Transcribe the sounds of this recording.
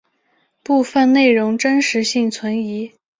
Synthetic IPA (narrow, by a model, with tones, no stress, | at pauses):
pu˥˧fə˥˧nne˥˩ɪɻʊ˧˥ŋʈ͡ʂə˥nʂɻ̩˧˥ɕi˥˩ŋt͡sʰwə˧˥ni˧˥